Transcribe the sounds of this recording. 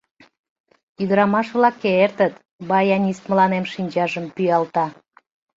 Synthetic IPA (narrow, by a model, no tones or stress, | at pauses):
yd̪əɾɑmɑʃβlɑkːeert̪ət̪ | bɑjɑnʲist̪məlɑnemʃinʲt͡ɕɑʒəmpyjɑlt̪ɑ